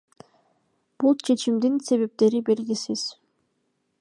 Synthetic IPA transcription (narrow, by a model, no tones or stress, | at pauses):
b̥ulˠt͡ʃʰe̞t͡ʃʰimd̪inse̞βe̞p̚t̪e̞ɾibe̞ɾɡisiz̥